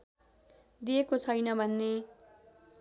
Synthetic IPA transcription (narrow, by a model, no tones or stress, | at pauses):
d̪iekot͡sʰʌjnʌbʱʌnːe